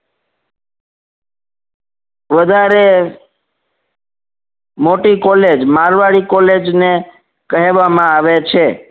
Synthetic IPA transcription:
ʋəd̪ʱaɾe | moʈikɔled͡ʒmaɾʋaɭikɔled͡ʒne | kəɦeʋamãaʋet͡ʃʰe

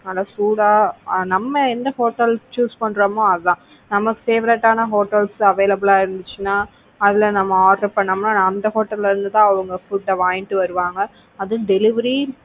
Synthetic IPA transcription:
ɐlasuːɽaːnɐmːɐɛnd̪ɐhoːʈːɐlt͡ʃuːspɐɳːɾɐmõɐðɯt̪ãː | nɐmɐkːɯfeːʋɪɾeʈːaːnɐɦoːʈːɐlsɐʋeːlɐbɪlaːɪɾɯnd̪ɯt͡ʃːɯnːaː | ɐðɪlɐnɐmːɐaːɾɾɐpɐɳːɐmnaːɐnd̪ɐɦoːʈːɐlːɛɾɯnd̪ɯt̪ãːɐʋɐŋɡɐfʊʈːɐʋaːjɪnʈːɯʋɐɾɯʋaːŋɡɐ | ɐðɯɖɛlɪʋɐɾi

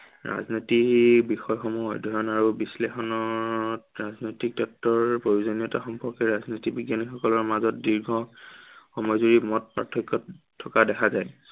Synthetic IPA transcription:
ɹa̰znɔtibixɔjxɔmuɔjdʱɔjɔnaɹubislexɔnɔtɹaznojtik̚dɔk̚tɔɹpɹoɹuzoniɔtaxɔmpɔɹkɛɹaznitibiɡjanixɔkɔlɔɹmazɔtdiɹɡʱɔ | xɔmɔjzuɹimɔt̚pɹa̰tʰɔkːɔtʰː | ɔkadɛkʰazaj

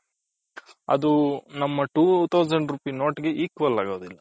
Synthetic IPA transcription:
ɐd̪unɐmːɐʈuːt̪ʰɐwd͡ʒɐɳɖɾupiːno̞ːʈɡe̞ʔiːkʋɐlːaːɡoːd̪ilːɐ

